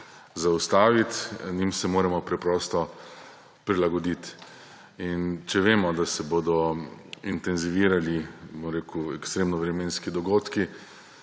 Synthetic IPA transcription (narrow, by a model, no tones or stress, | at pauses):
zaust̪aːʋit̪nimsɛmoːɾɛmɔpɾɛpɾɔːst̪ɔ | pɾilaɡɔd̪it̪ | int͡ʃɛʋeːmɔd̪asɛboːd̪ɔint̪ɛnziʋiːɾalibɔmɾeːkuɛkst̪ɾeːmnɔʋɾɛmeːnskid̪ɔɡoːt̪ki